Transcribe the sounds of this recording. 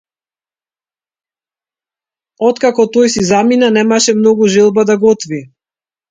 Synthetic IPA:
ɔt̪kakɔt̪ɔjsizaminanɛmaʃɛmnɔɡuʒɛlˠbad̪aɡɔt̪vi

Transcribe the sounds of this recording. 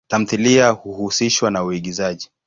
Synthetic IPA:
tam̩θiliahuhusiʃwanauiɠizaʄi

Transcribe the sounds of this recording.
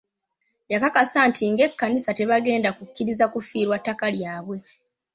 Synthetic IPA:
jakakasantʰiŋɡe̞kːanisateβaɡe̞ːndakukːiɾizakufiːɾwatːakaljaːβwe̞

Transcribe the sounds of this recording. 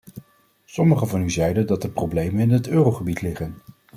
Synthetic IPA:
sɔməχəvɑnyzɛjdəndɑtdəprowblejmənɪnɦətøːrowχəbitlɪχən

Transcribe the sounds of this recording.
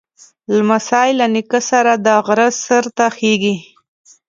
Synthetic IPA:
lamasɑjlanikəsaɾad̪əɣɾəsəɾt̪axeɡi

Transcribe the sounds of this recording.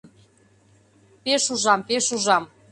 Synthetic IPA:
peʃuʒɑmpeʃuʒɑm

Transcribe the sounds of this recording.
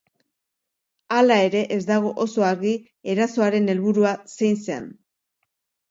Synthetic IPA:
alae̞ɾe̞ʔezd̪aɣ̞o̞ʔoso̞aɾɣi | e̞ɾaso̞aɾe̞ne̞lβuɾuase̞jnsea̰n

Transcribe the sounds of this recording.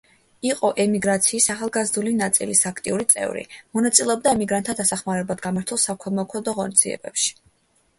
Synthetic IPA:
iqʼɔʔɛmiɡɾat̪sʰiːsaχalˠɡazd̪ulinat̪sʼḭlisakʰt̪ʼiuɾit̪sʼɛ̰vɾḭmɔnat̪sʼilɛɔb̚d̪aɛmiɡɾant̪ʰːad̪asaχmaɾɛblˠad̪ɡamaɾt̪ʰulˠsakʰwɛlˠmɔkʰɔd̪ɔʁɔnid̪ziɛ̰bɛ̰pʃi̥

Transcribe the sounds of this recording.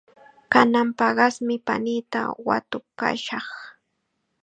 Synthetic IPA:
kanampɑɢɑsmɪpa̰niːt̪a̰wa̰t̪ʊka̰ʃɑχ

